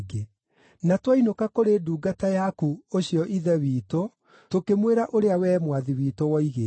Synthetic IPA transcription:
ɡe | natwainokakoɾeːduːɡatajakuoɕjɔʔiðɛwiːto | tokemweɾaʔoɾeawɛːmwaðiwiːtowɔiɣe

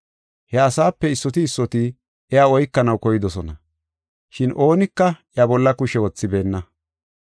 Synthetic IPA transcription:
hɛɐsaːpːɛɪsːɔt̪ɪːsːɔt̪ɪ | ɛjaːɔjkːɐnɐwkɔjɪd̪ɔsɔnɐ | ʃɪnʔo̞ːnɪkːɐjɐbɔlːɐkʊʃɛwɔt͡sːɪbe̞ːnːɐ

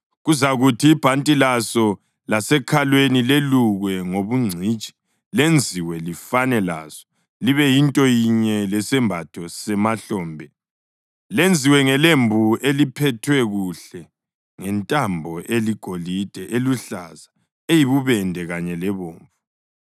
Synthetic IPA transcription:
ɣuzaɣutʰiːb̥ʱantʼilasɔ | lasɛkʰalwenileluɣwɛŋoβuŋ͡ǀʱit͡ʃʼi̥ | lend͡zʱiwɛlifanɛla̰z̥ɔ̥ | liβɛjintʼɔjiɲɛlɛsɛmbʱatʰɔsɛmaɬɔːmbʱɛ | lend͡zʱiwɛŋɛlembʱuelipʰɛtʰwɛɣuɬɛ | ŋɛntʼambʱɔʔeliɡ̥ʱolid̥ʱɛʔeluɬaza | ejiβuβɛndʱɛɣaɲɛlɛβoːɱfu

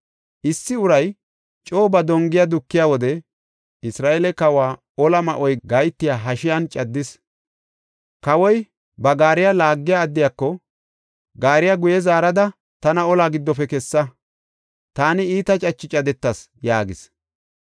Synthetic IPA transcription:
ʔɪsːɪʊɾɐj | t͡ʃʼo̞ːbɐd̪ɔŋɡɪjad̪ʊkːɪjawɔd̪ɛ | ɪsɾaːʔɛlɛkɐwaː | ɔlɐmɐʔɔjɡɐjt̪ːɪjaːɦɐʃɪjɐnt͡ʃʼɐd̪ːɪs | kɐwɔj | bɐɡaːɾɪjalaːɡːɪjaːd̪ːɪjakːɔ | ɡaːɾɪjaɡʊjɛzaːɾɐd̪ɐ | t̪ɐnɐɔlaːɡɪd̪ːɔpɛkɛsːɐ | t̪aːnɪiːt̪ɐt͡ʃʼɐt͡ʃːɪt͡ʃʼɐd̪ɛt̪ːɐs | jaːɡɪs

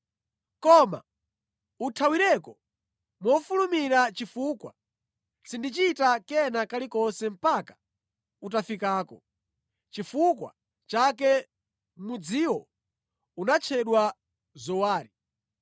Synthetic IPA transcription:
kɔma̰ | utʰawiɾɛkɔ | mɔfulumiɾat͡ʃifuːkwa̰ | sindit͡ʃitakɛnakalikɔnsɛm̩pakḁ | utafikaːkɔ̰ | t͡ʃifukwa̰ | t͡ʃak̬ɛ | mud͡ziwɔ | unat͡ʃʰɛɗwa | zɔwaːɾi

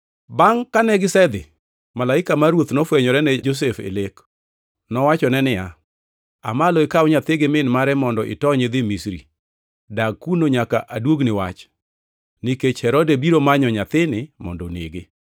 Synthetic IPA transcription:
baŋkanɛɡɪsɛd̪ɪ | malaɪkamaɾwot̪nɔfwɛɲɔɾɛnɛd͡ʒos̬efḛlek | nɔwat͡ʃɔnɛnɪja | a̰malɔɪkawɲat̪ɪɡɪmɪnmaɾɛmɔndɔʔɪ̰tɔɲɪd̪ɪmisɾḭ | daɡ̚kunoɲaka̰ʔadwoɡnɪwat͡ʃ | nɪket͡ʃhɛɾɔdebiɾomaɲɔɲat̪ɪnɪmɔ̰ndɔnḛɡe

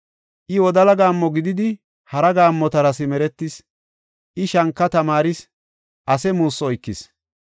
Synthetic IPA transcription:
ʔɪwɔd̪ɐlɐɡaːmːɔɡɪd̪ɪd̪ɪ | hɐɾɐɡaːmːɔt̪ɐɾɐsɪmɛɾɛt̪ːɪs | ʔɪʃɐŋkːɐt̪ɐmaːɾɪs | ʔɐsɛmuːsːɔɔjkːɪs

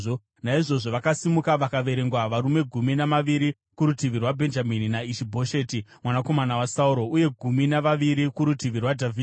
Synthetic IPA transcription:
o | naiʐo̞ʐo̞ʋakasimukaʋakaʋe̞ɾe̞ŋɡwaʋaɾume̞ɡʱuminamaʋiɾi | kuɾutiʋirwabʱe̞nd͡ʒamininaiʃibʱo̞ʃe̞ːtimwanako̞manawasauɾo̞uje̞ɡʱuminaʋaʋiɾikuɾutiʋirwadʱavʱiːd

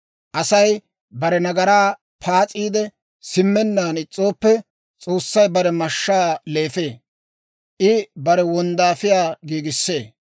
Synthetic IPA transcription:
ʔɐsɐj | bɐɾɛnɐɡɐɾaː | pʰaːt͡sʼiːd̪ɛ | sɪmːɛnːaːnɪt͡sʼːo̞ːpːɛ | t͡sʼo̞ːsːɐjbɐɾɛmɐʃːaːle̞ːfe̞ː | ʔɪbɐɾɛwɔnd̪aːfɪjaːɡiːɡɪsːe̞ː

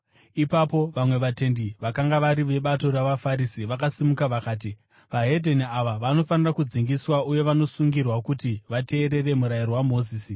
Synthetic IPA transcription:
ipapoʋamwe̞ʋate̞ndiʋakaŋɡaʋaɾiʋe̞ɓato̞ɾaʋafaɾisiʋakasimukaʋakaːt̬i | ʋaɦe̞dʱeniaʋaʋano̞fanirakud͡ziŋɡiswauje̞ʋano̞suŋɡirwakutiʋate̞ːɾe̞re̞muɾairowamo̞ːziːsi

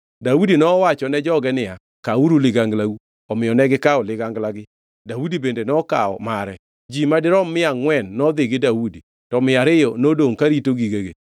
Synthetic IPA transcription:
dawudinɔwat͡ʃɔnɛd͡ʒɔɡɛnɪja | kauɾulɪɡaŋɡlaɡu | ɔmɪjɔnɛɡɪkaɔlɪɡaŋɡlaɡɪ | dawudibendenɔka̰ɔ̰maɾɛ | d͡ʒimadɪɾɔmːɪaŋwɛnːɔd̪ɪɡɪdawudi | tɔmɪaɾɪjɔnodoŋkaɾitoɡiɡeɡe

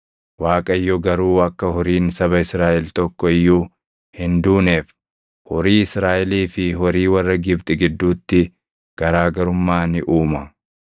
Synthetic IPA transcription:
waːkʼɐɪjːɔɡɐɾuːɐkːɐhɔɾiːnsɐβɐɪsɾaːʔɛlt̪ɔkːɔɪjːuː | hɪnd̪uːneːf | hɔɾiːɪsɾaːʔɛliːfɪhɔɾiːwɐrːɐɡɪbt̪ʼɪɡɪd̪ːuːt̪ːɪ | ɡ̥ɐɾaːɡɐɾʊmːaːnɪʔuːmɐ

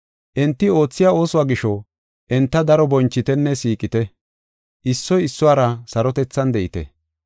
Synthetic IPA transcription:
ʔɛnt̪ːɪo̞ːt͡sːɪjaːo̞ːsʊwaːɡɪʃɔ | ʔɛnt̪ːɐd̪ɐɾɔbɔnt͡ʃːɪt̪ɛnːɛsiːkʼɪt̪ɛ | ʔɪsːɔjɪsːʊwaːɾɐsɐɾɔt̪ɛt͡sːɐnd̪ɛʔɪt̪ɛ̰

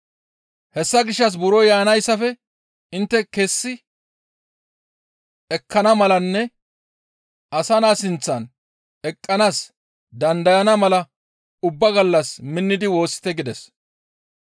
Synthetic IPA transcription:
hɛsːɐɡɪʃːɐs̬bʊɾɔjaːnɐjsːɐfɛ | ɪnt̪ːɛkesːɪ | ɛkʰːɐnɐmɐlɐnːɛ | ʔɐsɐnaːsɪnt͡sːɐn | ɛkʼːɐnaːs | d̪ɐnd̪ɐjɐnɐmɐlɐ | ʊbːɐɡɐlːɐsmɪnːɪd̪ɪwo̞ːsːɪ̥t̪ɛɡɪd̪ɛs

